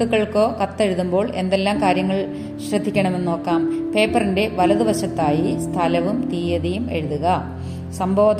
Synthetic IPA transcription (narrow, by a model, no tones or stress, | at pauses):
uɣɐɭko̞ːkɐt̪ːe̞ɻuðumbo̞ːɭe̞nd̪e̞lːaːmkaːɾjɐŋːɐɭ | ɕrɐd̪ʱːikʲːɐɳɐme̞nːo̞ːkːaːmpe̞ːpːɐrinde̞ʋɐlɐðuʋɐɕɐt̪ːaːjist̪ʰɐlɐʋumt̪iːjɐðijume̞̰ɻuðuɣɐ | sɐmbʱo̞ːd̪